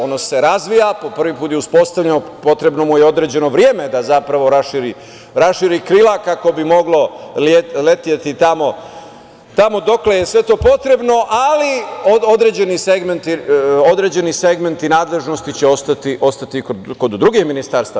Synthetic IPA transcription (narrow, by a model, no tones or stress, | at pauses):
o̞nose̞ɾazʋijapo̞pr̩ʋipuːt̪jeuspo̞st̪aʋʎenopo̞t̪ɾe̞bno̞mujeo̞d̪ɾe̞ːd͡ʑe̞no̞ʋɾjeːmed̪azapɾaʋo̞ɾaʃiɾi | ɾasʃiːɾikɾilakako̞bimo̞ɡlo̞llet̪ijet̪it̪amo̞ | t̪amo̞d̪o̞klejesʋe̞t̪o̞ːpo̞t̪ɾe̞bno̞ʔaliood̪ɾed͡ʑe̞niseɡment̪io̞d̪ɾeːd͡ʑe̞nise̞ɡme̞nt̪inaːd̪le̞ʒno̞st̪it͡ɕeo̞st̪at̪iʔo̞st̪at̪ikoko̞d̪d̪ɾuɡixminist̪aɾst̪a